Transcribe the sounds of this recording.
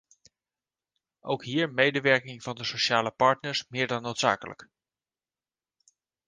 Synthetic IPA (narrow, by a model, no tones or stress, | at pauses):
ʔowkɦiːɹmejdəʋɛɹkɪŋv̥ɑndəsoʃaːləpɑɹtnəɹsmɪːɹdɑnːowtsa̰ːkələ̰k